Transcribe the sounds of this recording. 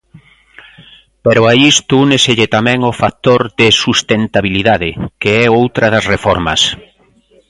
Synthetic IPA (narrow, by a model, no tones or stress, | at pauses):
peɾʊaist̪ʊuneseʎɪt̪amɛ̃ŋʊfat̪oɾðɪsust̪ent̪aβiliðaðɪkeɛowt̪ɾɐðɐsrefɔɾmɐ̰s